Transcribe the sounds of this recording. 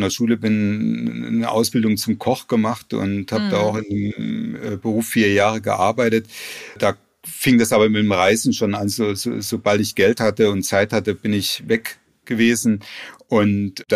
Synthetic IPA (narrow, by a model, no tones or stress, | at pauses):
ndeɐʃuːləbɪn | ə̰ʔa̰ʊsb̥ɪldʊŋt͡sʊmkʰɔχɡ̥əmaχtʊ̰nthaːbəd̥aːaʊxɪndemː | bəʁuːfːiːɐjaːʁəɡə̰ʔa̰ɐbaɪtətd̥aː | fɪŋd̥asʔaːbɐmɪtmʁaɪzn̩ʃoːnʔanzoːzo̰ːzobaltɪçɡ̥ɛlthatəʊntt͡saɪthatəb̥ɪnɪçvɛk | ɡ̥əveːzn̩ʔʊntd̥